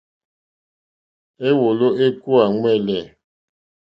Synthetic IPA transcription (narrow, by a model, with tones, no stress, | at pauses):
e˦wo˨lo˦e˦ku˦a˨ŋwɛ˦˨lɛ˨